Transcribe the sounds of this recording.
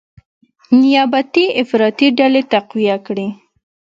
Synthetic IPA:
nɪjabat̪iɪfɾɑt̪iɖalet̪aqwijakɽi

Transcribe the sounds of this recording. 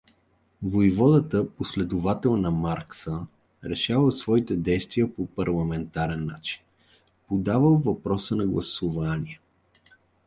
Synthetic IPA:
vojvɔd̪ət̪əposlɛd̪ʊvat̪ɛlˠnɐmaɾksə | ɾɛʃavət̪svɔit̪ɛd̪ɛjst̪viəpopɐɾlˠɐmɛnt̪aɾɛnːa̰t͡ʃi̥n | pod̪avəlˠvɐpɾɔsənɐɡlˠɐsʊvanḭɛ

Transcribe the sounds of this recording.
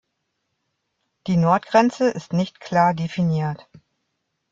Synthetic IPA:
d̥iːnɔɐtɡ̥ʁɛnt͡səʔɪstnɪçtkʰl̥aːɐdefiniːɐt

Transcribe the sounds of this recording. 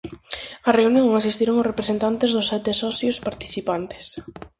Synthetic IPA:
ɐreunjõŋasist̪iɾoŋʊsrepɾesent̪ant̪ezðʊsɛt̪esɔθjʊspaɾt̪i̥θipant̪ɪ̥s

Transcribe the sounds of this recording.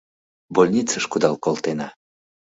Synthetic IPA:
bolʲnʲit͡səʃkud̪ɑlˠkolˠt̪enɑ

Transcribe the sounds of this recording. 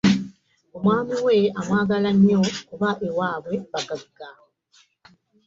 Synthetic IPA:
omwaːmiweamwaːɡalaɲokuβaʔewaːβweβaɡabiɡa

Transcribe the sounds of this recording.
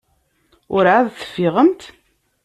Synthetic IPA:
ʊɾʕaðθə̥fːɪʁəmt̪

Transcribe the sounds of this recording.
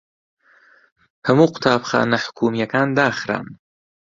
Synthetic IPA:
hɐmuːqʊ̥t̪ʰaːbxa̰ːnaħʊ̥kʰuːmijakaːnd̪aːxɾa̰ːn

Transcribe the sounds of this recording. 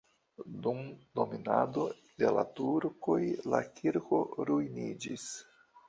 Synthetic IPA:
dumdo̞minado̞ | de̞la̰tuɾko̞jla̰kʰiɾko̞ɾujnid͡ʒis

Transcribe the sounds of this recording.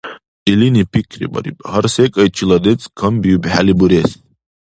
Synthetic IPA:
ilinipʰikʰɾḭbɐ̰ɾḭpʼhɐɾsɛkʼɐjt͡ʃʰilɐd̪ɛt͡sʼkʰɐmbijubħalibuɾɛs

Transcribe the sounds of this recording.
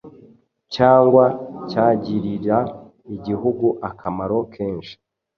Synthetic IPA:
caːŋɡwacaːɟiɾiɾa | iɟiɦuɡuʔakʰamaɾo̞kʰeːnʃi̥

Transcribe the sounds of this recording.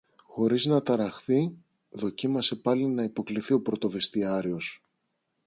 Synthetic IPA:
xo̞ɾiznɐt̪ɐɾɐxθi | ðo̞cimɐse̞pɐlinɐipo̞kliθio̞pɾo̞t̪o̞ve̞st̪iɐɾio̞s

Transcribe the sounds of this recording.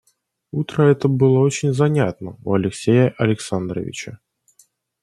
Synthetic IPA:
ut̪ɾəɛt̪əbɨlˠəot͡ɕɪnʲzɐnʲat̪nəuɐlʲɪksʲejəʔɐlʲɪksand̪ɾə̰vʲɪ̰t͡ɕə

